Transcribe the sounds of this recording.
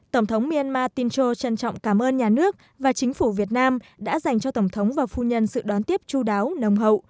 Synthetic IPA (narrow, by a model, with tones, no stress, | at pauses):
t̪ə˧˩wŋ͡mt̪ʰə˨˦wŋ͡mmi˧ə˧nmaː˧t̪i˧nt͡ɕo˧t͡ɕə˧nt͡ɕɔ̰˧˨wŋ͡mkaː˧˩mʔəː˧nɲaː˨˩nɨ˦˥ək̚ | vaː˨˩t͡ɕï˨˦ŋ̟fu˧˩vi˨˩ət̚naː˧mɗa̰ː˧˥za˨˩jŋ̟t͡ɕɔ˧t̪ə˧˩wŋ͡mt̪ʰə˨˦wŋ͡mvaː˨˩fu˧ɲə˧nsɨ̰˧˨ɗɔ˨˦nt̪i˦˥əp̚t͡ɕu˧ɗaː˨˦wnə˨˩wŋ͡mɦə̰˧˨wʔ